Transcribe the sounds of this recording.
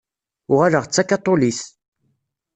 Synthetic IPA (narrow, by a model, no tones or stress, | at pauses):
ʊʁaləʁt͡sːakat̪ˤːoliθ